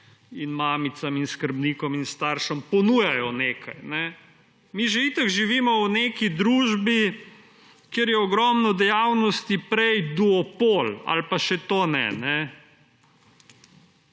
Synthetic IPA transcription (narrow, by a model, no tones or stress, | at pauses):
inmaːmit̪saminskəɾbniːkɔminst̪aɾʃɔmpɔnuːjajɔneːkʰajnɛ | miʒɛit̪akʒiʋiːmɔwneːkid̪ɾuːʒbi | keɾjɛɔɡɾɔːmnɔd̪ɛjawnɔst̪ipɾɛjd̪uɔpoːla̰lpaʃɛt̪oːnɛ̰nɛ